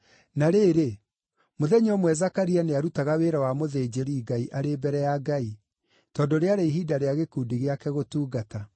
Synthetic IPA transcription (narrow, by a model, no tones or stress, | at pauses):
naɾeːɾe | moðɛɲɔmwɛzakaɾianeaɾutaɣaweːɾawamoðeːd͡ʒeɾiːɡaiʔaɾebɛɾɛjaɡai | tɔːndoɾeaɾeiɦiːdaɾeaɣekudiɣeakɛɣotuːɡata